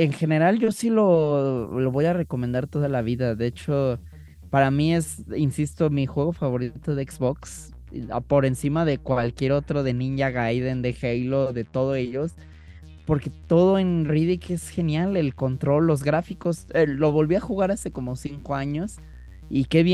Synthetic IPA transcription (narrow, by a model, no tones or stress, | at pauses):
e̞ŋxe̞ne̞ɾalʝo̞silo̞lo̞βo̞jare̞komend̪aɾt̪o̞ðalaβ̞iðaðeet͡ʃo̞ | paɾamie̞sinsist̪o̞mixwe̞ɣo̞faβo̞ɾit̪o̞ðeekzβo̞ks | po̞ɾe̞nsimaðe̞kwalkje̞ɾo̞t̪ɾo̞ðe̞nĩɲʝaɣajðe̞nd̪e̞xejloðe̞t̪o̞ðoe̞ʝo̞s | po̞ɾke̞t̪o̞ðo̞e̞nriðike̞sxe̞njale̞lko̞nt̪ɾo̞lːo̞zɣɾafiko̞selo̞βo̞lβiaxuɣaɾase̞ko̞mo̞siŋko̞aɲo̞s | ike̞βje